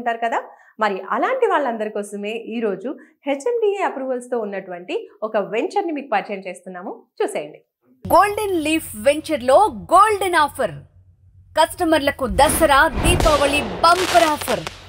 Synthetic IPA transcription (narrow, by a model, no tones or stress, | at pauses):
ɳʈaːɾukɐd̪aː | mɐɾiʔɐlaːɳʈiʋaːɭːɐnd̪ɐɾikɔːsɐme̞ːʔiːɾo̞ːd͡ʒuhet͡ʃːɐnbijeɐpɾuːʋɐlst̪o̞ːunːɐʈuʋɐɳʈiɔkɐʋeɲt͡ʃɐɾnimiːkupɐɾt͡ʃɐjɐmt͡ʃeːst̪unːaːmut͡ʃuːseːjɐɳɖi | ɡoːlɖenliːpʰʋeɲt͡ʃɐɾloːɡoːlɖenaːpʰɐɾ | kɐsʈɐmɐɾlɐkud̪ɐsɐɾaːd̪iːt̪ɔːʋɐɭibɐmpɐɾaːpʰɐɾ